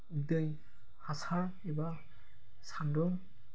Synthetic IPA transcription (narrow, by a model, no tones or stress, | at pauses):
idɯj | hasaɹ | ɛba | sandɔŋ